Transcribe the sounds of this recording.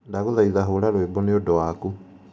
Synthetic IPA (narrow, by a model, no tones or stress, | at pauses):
ndaɣoðaiðaɦoːɾaɾwembɔneodɔwaku